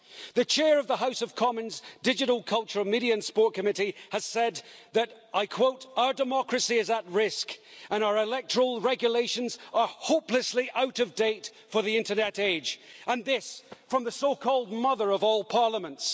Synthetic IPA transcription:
ðɨt͡ʃʰɛɹʌvðəɦaʊsʌv̥kʰɑmə̃nzdɪd͡ʒɨɾl̩ˠkʰʌlˠt͡ʃə˞miɾiɨ̃nspɔɹt̚kʰɨmɪɾiɨz̥sɛd̪̚ðɨɾʔaɪkʰw̥oʊɾaʊə˞dɨmɑkɹɨsiɨzət̚ɹɪskə̃ñaə˞ɪlɛk̚tʰə˞əl̩ˠɹɛɡjəleɪʃɨ̃nzə˞hoʊplɨsliʔaʊɾʌvdeɪt | fə˞ðiɪ̃ntə˞nɛɾeɪd͡ʒʔə̃nðɪsfɹʌ̃mðɨsoʊkʰɔlˠd̚mʌðə˞ʌvɔlˠpʰɑɹlˠəmə̃nts

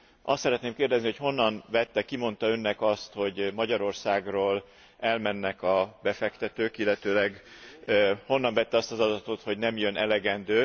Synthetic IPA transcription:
ʔɒ̰st̪sɛɾɛt̪neːmkeːrd̪ɛzniho̞cho̞nːɒnvɛt̪ːɛkimo̞nt̪ɒø̞nːɛkɒst̪ho̞ɟmɒɟɒɾo̞rsaːɡroːl | ɛlmɛnːɛkɒbɛfɛkt̪ɛt̪øːkilːɛt̪øːlɛɡ | ho̞nːɒɱvɛt̪ːɛɒst̪ɒzɒd̪ɒt̪o̞t̪ho̞ɟnɛmjønʔɛlɛɡɛnd̪øː

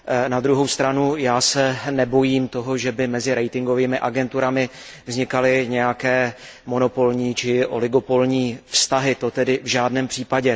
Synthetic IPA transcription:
nad̪ɾuɦowst̪ɾanujaːsɛnɛbo̞jiːmt̪o̞ɦo̞ʒɛbɪmɛzɪɾɛjt̪ɪŋɡo̞viːmɪʔaɡɛnt̪uɾamɪ | vzɲɪkalɪɲɛjakɛː | mo̞no̞po̞lɲiːt͡ʃɪʔo̞̰lɪɡo̞po̞lɲiːfst̪aɦɪt̪o̞t̪ɛdɪvʒaːdnɛːmpr̥iːpaɟɛ

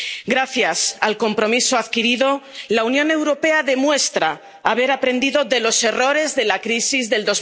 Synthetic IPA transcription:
ɡɾaθjasalko̞mpɾo̞misoaðkiɾiðo̞launjõ̞ne̞wɾo̞pe̞aðe̞mwe̞st̪ɾaː | β̞e̞ɾapɾẽ̞nd̪iðo̞ðe̞lose̞ro̞ɾe̞zðe̞lakɾisizðe̞ld̪o̞z

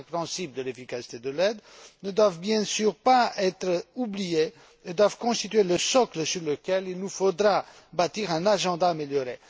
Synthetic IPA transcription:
pχɛ̃sipd̪əlefikasi̥t̪ed̪əlɛd̪nəd̪wavbjɛ̃syʁpaɛt̪χəublije | ed̪wavkɔ̃st̪it̪ɥeləsɔkləsyʁləkʲɛlilnufod̪ʁa | bat̪iʁɛ̃naʒɑ̃d̪aːmeljɔʁe

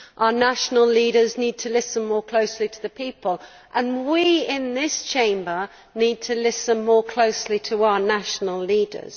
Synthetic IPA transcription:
ʔaʊənaʃənəlˠliːɾəzniːd̚tʰəlɪsə̃nmɔːkʰl̥oʊslitʰəðəpʰiˑpəlˠ | ʔə̃nwiɪ̃nðɪst͡ʃʰẽɪ̃mbə | niːd̚tʰəlɪsə̃nmɔːkʰl̥oʊslitʰəaʊənaʃnəlˠliːdə̰z̥

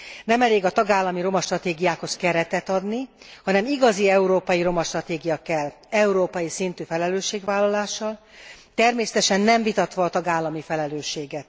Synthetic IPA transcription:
nɛmɛleːɡɒt̪ɒɡaːlːɒmiɾo̞mɒʃt̪rɒt̪eːɡijaːkho̞skɛɾɛt̪ɛt̪ɒd̪ni | hɒnɛmiɡɒziɛuɾoːpɒjiɾo̞mɒʃt̪rɒt̪eːɡijɒkɛlː | ɛuɾoːpɒjisint̪yːfɛlɛløːʃːeːɡʋaːlːɒlaːʃːɒlt̪ɛrmeːsɛ̥t̪ɛʃɛnːɛɱvit̪ɒt̪ʋɒːt̪ɒɡaːlːɒmifɛlɛløːʃːeːɡɛt̪̚

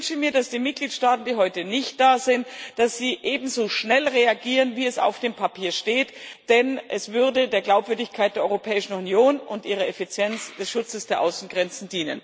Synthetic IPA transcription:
nʃəmiːɐd̥asd̥iːmɪt̚ɡ̥liːtʃtaːtn̩diːɦɔʏtənɪçt̚d̥aːzɪntd̥asz̥iːʔeːbm̩zoːʃnɛlʁeaɡiːʁənviːɛsa̰ʊfd̥eːmpʰapʰiːɐʃteːtd̥ɛnʔɛsv̥ʏɐdədeːɐɡlaʊpvʏɐdɪçkʰaɪtdeɐɔʏʁopʰɛːɪʃn̩unjoːnʊntʔiːʁ̞ɐɛfit͡sjɛnt͡sd̥ɛsʃʊt͡səsd̥eːɐʔaʊsn̩ɡʁɛnt͡sn̩diːnə̰n

